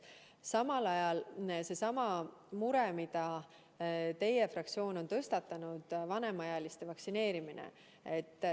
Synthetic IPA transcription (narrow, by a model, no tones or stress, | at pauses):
sɑmɑlɑjɑlse̞sɑmɑmuɾemid̪̥ɑ | t̪e̞je̞frɑkt̪sio̞ːno̞nt̪ɤst̪ɑt̪ːˑɑnud̪̥vɑne̞mɑjɑlist̪e̞vɑksine̞ːɾiminḛ | et̪ːˑ